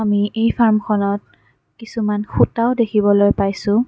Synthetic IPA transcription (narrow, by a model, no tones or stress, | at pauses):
amiʔejpʰaɹmkʰɔnɔt̚ | kisumanxutaʊdekʰibɔlojpajsʊ̃